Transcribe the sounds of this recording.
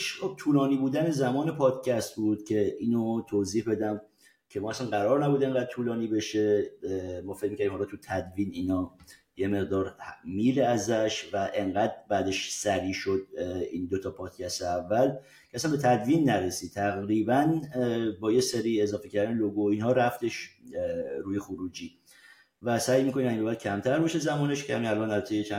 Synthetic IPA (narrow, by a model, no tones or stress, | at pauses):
ʃχob̚t̪ʰuːlɒːniːbuːd̪æne̞zæmɒːne̞pʰɒːd̪̥cʰæst̪bud̪̥cʰe̞iːnot̪ʰoziːhbe̞d̪æm | cʰemɔːæsænɢæɾɒːɾnæbuːd̪e̞ŋɢæd̪̚t̪ʰuːlɒːniːbe̞ʃe | mɒːfec̚micʰæɾimhɒlɒt̪ʰut̪ʰæd̪viːniːnɒː | jeme̞ʁd̪ɒːɾmiːleæzæʃvæʔe̞ŋɢæd̪bæːd̪eʃsæɾiːʃo̞d̪̚iːnd̪ot̪ʰɒːpʰɒːd̪̥cʰæst̪eævːæl | cʰeæsænmbet̪ʰæd̪viːnːæɾesiːd̪̚t̪ʰæɣɾiːbænbɒːjeseɾiːe̞zɒːfecʰæɾd̪æneloɡoinhɒːɾæft̪ʰe̞ʃ | ɾuːje̞xoɾuːd͡ʒiː | væsæjmiːkʰo̞nimæibæd̪̥̚cʰæmt̪ʰæɾbɒʃezæmɔːneʃcʰehæminælʔɒnd̪æzt̪ʰejet͡ʃʰæ